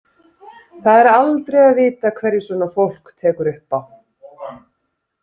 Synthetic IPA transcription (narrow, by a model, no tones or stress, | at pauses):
θaðɛɾalt̪ɾejaðvɪːt̪akʰvɛɾjɪsvɔːnafowl̥kt̪ʰɛːkʏɾʏhpaw